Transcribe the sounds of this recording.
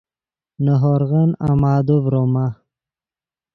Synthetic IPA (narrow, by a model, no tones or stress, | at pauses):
nəɦoɾɣana̰maːd̪uvɾoma